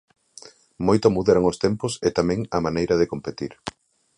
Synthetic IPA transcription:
mojt̪omuðeɾoŋost̪emposɪt̪amɛ̃ŋɐmanejɾɐðɪkompet̪iɾ

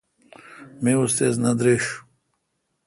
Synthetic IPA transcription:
miust̪eːznɐd̪ɾiʂ

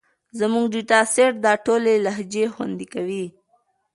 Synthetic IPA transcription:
zamuŋɡɖiʈɑseʈ̚d̪ɑʈolelaɦd͡ʒexwa̰nd̪ikawi

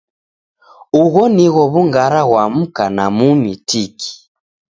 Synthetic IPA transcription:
uɣɔniɣɔβuŋɡaɾaɣwam̩kanamumitikʰi̥

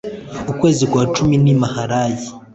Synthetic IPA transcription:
ukwe̞ːzikwaːt͡ʃuminimahaɾaːji

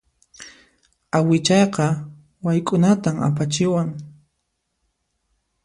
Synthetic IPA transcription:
awɪt͡ʃɑjqɑ | wajkʼʊnat̪ama̰pat͡ʃɪwaŋ

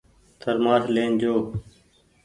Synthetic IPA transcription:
t̪ʰəɾmaːsleːnd͡ʒoː

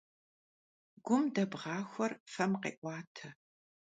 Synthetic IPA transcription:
ɡ̥ʷʊmdɐbʁɑːxʷɔrfɐmqḛːʔʷɑːtʰɐ

